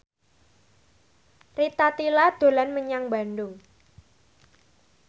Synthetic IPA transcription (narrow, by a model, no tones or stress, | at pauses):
rit̪at̪ilad̪̥o̤lanməɲaŋba̤ndʊŋ